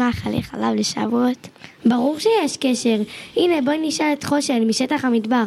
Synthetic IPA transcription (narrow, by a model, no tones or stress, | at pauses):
aχalḭχalavleʃa̰vuotbaʁuʁʃejeʃkeʃe̞ʁʔine̞boiniʃaletχo̞ʃelmiʃetaχhamidbaʁ